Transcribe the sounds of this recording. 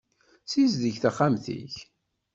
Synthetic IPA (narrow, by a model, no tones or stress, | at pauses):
sizðəçθæχamθḭç